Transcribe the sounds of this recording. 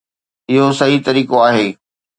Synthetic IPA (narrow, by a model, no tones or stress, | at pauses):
ɪɦosɐɦit̪ɐɾiːkoaːɦeː